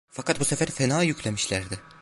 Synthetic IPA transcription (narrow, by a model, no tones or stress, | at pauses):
fakʰat̪̚busefæɾfenaːjycʰlʲemiʃlʲæɾd̪ɪ